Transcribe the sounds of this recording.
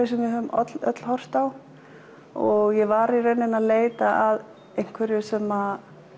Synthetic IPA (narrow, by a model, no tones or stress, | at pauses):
sɛmvɪhʏmɔ̰t̪lœ̰t̪l̥hɔr̥t̪aw | ɔɣjɛvaɾiɾɛnːɪnaðleːjt̪aʔað | ejŋ̥kʰvɛɾjʏsɛma